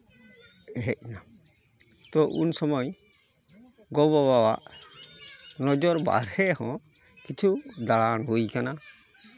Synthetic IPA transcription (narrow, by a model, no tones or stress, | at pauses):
ɦɛc̚ˀna | t̪ɔʔunsɔmɔj | ɡɔbɔbawaʔ | nɔd͡ʒɔɾba̰ɾhɛhɔ̃ | kit͡ʃʰud̪aɭanɦujkana